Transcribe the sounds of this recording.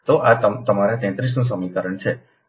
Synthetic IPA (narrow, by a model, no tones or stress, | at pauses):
t̪oʔat̪ət̪əmaɾat̪ɛ̃t̪ɾis̬nũs̬əmikəɾəɳt͡ʃʰe